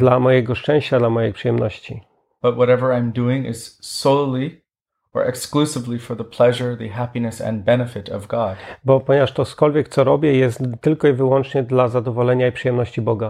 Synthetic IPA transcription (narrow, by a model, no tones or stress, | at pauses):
d̪lamɔjɛɡɔʂt͡ʂɛ̃w̃ɕt͡ɕad̪lamɔjɛjpʂɨjɛmnɔɕt͡ɕi | b̥ʌt̚wʌɾɛvə˞ãɪ̃mduɪ̃ŋɪ̰z̥soʊlˠi | ə̰˞ʔɨ̰ksklusɨvlifə˞ðəpʰl̥ɛʒə˞ðɨɦæpinɨsɨ̰̃nbɛnɨfɨɾʌ̰vɡɑd̥bɔpɔɲɛvaʂt̪ɔskɔlvʲjɛk̚t̪sɔɾɔbʲjɛjɛst̪ːɘlkɔivɘwɔnt͡ʂɲɛd̪lazad̪ɔvɔlɛɲaipʂɨjɛmnɔɕt͡ɕibɔɡa